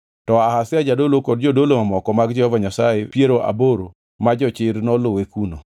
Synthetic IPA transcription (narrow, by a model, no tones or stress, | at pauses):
tɔahasɪad͡ʒadolokɔd̚d͡ʒodolomamɔkɔmaɡd͡ʒɛhɔvaɲasajepieɾoʔa̰boɾo | mad͡ʒɔt͡ʃɪɾnɔlʊwekuno